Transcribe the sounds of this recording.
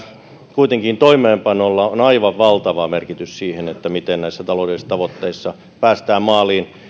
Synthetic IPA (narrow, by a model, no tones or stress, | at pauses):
kuit̪eŋkint̪oimeːmpɑnolːɑonɑiʋɑʋʋɑlt̪ɑʋɑmerkit̪yssiːhenet̪ːæmit̪ennæisːæt̪ɑloudelist̪ɑʋot̪ːeisːɑ | pæːst̪æːmmɑːliːn